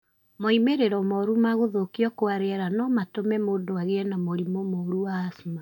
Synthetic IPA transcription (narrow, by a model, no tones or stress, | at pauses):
moimeɾeɾɔmɔɾumaɣoðokiɔkoaɾeɛɾanɔmatomɛmoːndoaɣeɛnamoɾimomɔɾuaːsma